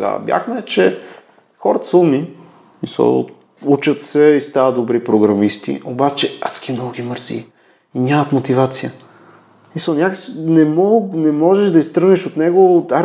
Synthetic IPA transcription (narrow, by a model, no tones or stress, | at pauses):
ɡa̰bja̰xmɛt͡ʃɛ | xɔɾət̪ə̥səlˠmi | misə̰ | ut͡ʃət̪sɛist̪avət̪̚d̪obɾipɾoɡɾɐmist̪ḭobat͡ʃɛat̪skʲimnɔɡoɡʲiməɾzḭ | inʲamət̪mot̪ivat̪sijə | misəlnʲaknɛmɔnɛmɔʒɛʃd̪ɐist̪ɾəniʃot̪nɛɡoa